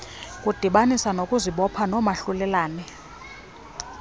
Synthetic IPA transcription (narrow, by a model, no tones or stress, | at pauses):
kʼud̥ʱiɓanisanokʼuziɓɔpʰanɔmaɬulɛlaːnɛ